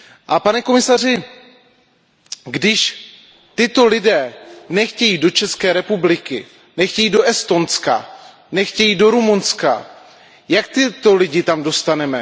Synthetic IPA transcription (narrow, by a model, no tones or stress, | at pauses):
ʔapanɛkomɪsar̝ɪ | ɡdɪʃ | t̪ɪt̪o̞lɪdɛːnɛxcɛjiːdo̞t͡ʃɛskɛːɾɛpublɪkɪ̰ | nɛxcɛjiːdo̞ʔɛst̪o̞nska̰ | nɛxcɛjiːdo̞ɾumunska̰ | jak̚t̪ɪt̪o̞lɪɟɪt̪amdo̞st̪anɛmɛ